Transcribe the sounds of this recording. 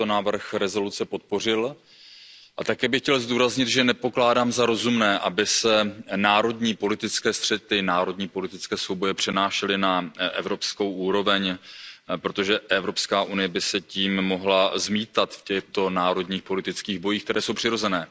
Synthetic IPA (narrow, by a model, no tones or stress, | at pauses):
t̪onaːvr̩xɾɛzo̞lut͡sɛpo̞t̪̚po̞r̝ɪl | ʔat̪akɛːbɪxcɛlzd̪uːɾazɲɪt̪ʒɛnɛpo̞klaːdaːmzaɾo̞zumnɛːʔabɪsɛnaːɾo̞dɲiːpo̞lɪt̪ɪt͡skɛːst̪r̝̥ɛt̪ɪnaːɾo̞dɲiːpo̞lɪt̪ɪt͡skɛːsvowbo̞jɛpr̥ɛnaːʃɛlɪnaʔɛ̰vɾo̞psko̞wʔuːɾo̞vɛɲ | pɾo̞t̪o̞ʒɛʔɛvɾo̞pskaːʔunɪjɛbɪsɛciːmːo̞ɦlazmiːt̪at̪fcɛxt̪o̞naːɾo̞d̪ɲiːxpo̞lɪt̪ɪt͡skiːɣbo̞jiːxk̚t̪ɛɾɛːso̞wpr̝̥ɪɾo̞zɛnɛː